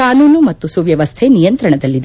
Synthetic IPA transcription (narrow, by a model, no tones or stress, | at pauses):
aːnuːnumɐt̪ːusuʋjɐʋɐst̪ʰenijɐnt̪ɾɐɳɐd̪ɐlːid̪